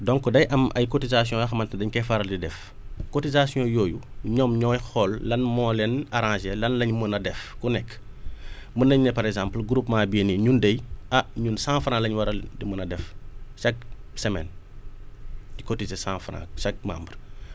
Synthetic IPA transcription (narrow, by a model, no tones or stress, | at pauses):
dɔŋkɔdɐjʔɐmʔɐ̰jkɔtizas̬ijɔ̃ɐxɐmɐntɐdɐɲkɛfaɾɐldidɛf | kotizasijɔ̃joːjuɲɔmɲɔːjxɔlːɐnmɔlɛnɐɾãːʒɛlɐnlɐɲmənɐdɛfkunɛkː | mənɐɲnɛpɐɾɛɡzãːmplɡɾupmaːbiniɲundɐjɐɲunsãːfɾãlɐɲwɐɾɐldimənɐdɛfsɐk̚sɛmɛ̰n | ikotizesãːfɾã̰sɐk̚ma̰ːmbər